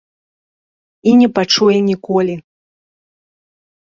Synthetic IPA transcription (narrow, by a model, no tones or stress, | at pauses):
inʲɛpat͡ʂujɛnʲikɔlʲi